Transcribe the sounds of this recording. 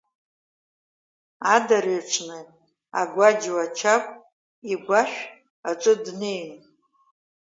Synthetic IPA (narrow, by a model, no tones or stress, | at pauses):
adaɾaʈ͡ʂʰnɨ | a̰ɡʷad͡ʒwat͡ʃʰakʷʼ | iɡʷaʃᶣ | aʈ͡ʂʷʼɨdne̞jn